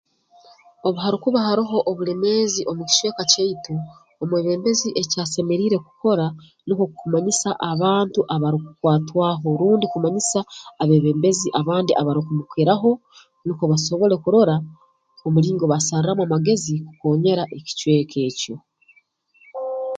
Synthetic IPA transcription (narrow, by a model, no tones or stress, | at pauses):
o̞βuɦaɾikuβahaɾiɦo̞ʔːβule̞me̞ːziʔo̞muci̥cwe̞ːkaceitoː | mweːβe̞ːmbe̞ziʔe̞caːse̞me̞ɾiːɾe̞ku̥ko̞ɾa | nukokkumaɲisaʔaβaːntuʔaβaɾikukwaːtwaːɦo̞ɾuːndikumaɲisaːβe̞ːβe̞ːmbe̞ziʔaβaːndiʔaβaɾikumukwiɾaɦo̞ | nukoβaso̞βo̞ɾe̞kuɾo̞ɾa | omuɾiːŋɡo̞βasaɾiɾamwamaɡe̞zikuko̞ːɲe̞ɾaʔe̞ci̥cwe̞ːkʰe̞ːco̞